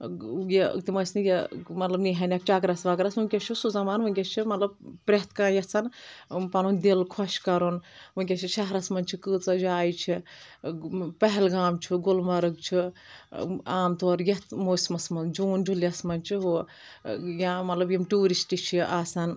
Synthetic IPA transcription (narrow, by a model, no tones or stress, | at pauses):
jḭt̪imɐsnijɐmɐt̪lɐbniɦɐnʲɐk̚t͡ʃaːkɾɐsʋaːkɾɐsʋunʲkʲɐt͡ʃʰisuzɐmaːnʋɨŋʲkʲɐt͡ʃʰimɐt̪lɐb̚pɾʲet̪ʰkãːjɐt͡sʰɐnpɐnund̪ilkʰɔʃkɐɾonʋɨŋʲkʲet͡ʃʰit͡ʃʰɐɦɾɐsmɐnʲt͡ʃʰikɨːt͡sɐd͡ʒaːjt͡ʃʰi | pɐɦɛlɡaːmt͡ʃʰiɡolmɐɾɨkt͡ʃʰi | aːmt̪oɾjɐt̪ʰmosmɐsmɐnd͡ʒuːnd͡ʒuljɐsmɐnt͡ʃʰiɦu | jamɐt̪lɐbjimʈuːɾisʈit͡ʃʰiaːsan